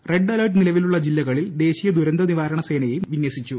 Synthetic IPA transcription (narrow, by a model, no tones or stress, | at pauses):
re̞ɖːɐlɐrɖnilɐʋiluɭːɐd͡ʑilːɐɣɐɭild̪e̞ːɕijɐd̪uɾɐnd̪ɐniʋaːɾɐɳɐse̞ːnɐjejumʋinjɐsit͡ɕːu